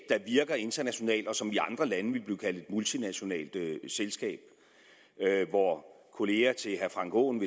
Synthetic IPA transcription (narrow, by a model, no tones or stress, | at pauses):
ɑ̈ʋiɐɡ̥ɐe̝nd̥ɐnæɕo̝nɛ̰ːld̥ɒ̽sɒ̽miɑ̈nd̥ʁɐlænəʋe̝lb̥liːkʰæl̰d̥ed̥mult͡sʰinæɕo̝nɛ̰ːld̥selsɡ̥ɛ̰ːb̥ | øʋɒ | kʰo̝le̝ːɐt͡sʰe̝ɦæɐfʁɑ̈ŋɡ̥ʰo̰ːnʋe